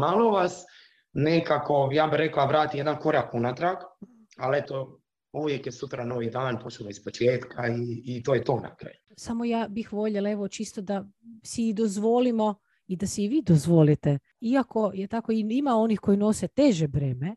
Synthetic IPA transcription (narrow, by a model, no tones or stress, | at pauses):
maloʋas | nekako̞jaːbiɾeklaʋɾaːt̪ijed̪anko̞ɾakunat̪ɾak | alet̪o | uʋjekjesut̪ɾanoʋid̪aːanpot͡ʃuʋaispot͡ʃjeːt̪kʰaiːt̪ojet̪oːna̰kɾa̰ːjusamojaːbixʋo̞ʎelae̞ʋo̞t͡ʃist̪od̪asiid̪ozʋo̞limo̞ | id̪asɛiʋiːd̪ozʋo̞lit̪e | iako̞jet̪akoiimao̞nixko̞ino̞set̪eʒebɾeːme